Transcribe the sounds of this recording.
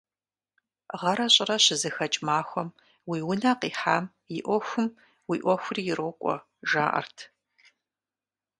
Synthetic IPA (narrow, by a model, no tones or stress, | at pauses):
ʁɐɾɐɕʼɪrɐɕɪzɨxɐt͡ʃʼmaːxʷɔm | wiːwʊnaːqiːħaːm | jɪʔʷɔxʷʊm | wiːʔʷɔxʷʊriːjɪrokʷʼɔ̰ | ʒaːʔɐ̰rtʰ